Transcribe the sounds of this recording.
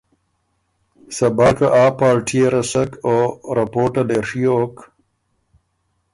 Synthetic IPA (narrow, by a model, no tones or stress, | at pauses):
sɐbaːkɐʔaːpaːɾʈʰijeɾɐsɐkoːɾɐpoːʈɐleɾʂiok